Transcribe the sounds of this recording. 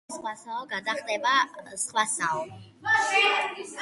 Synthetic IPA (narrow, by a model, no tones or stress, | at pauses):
sχwasalˠɡad̪aχd̪ɛbasχʼwasal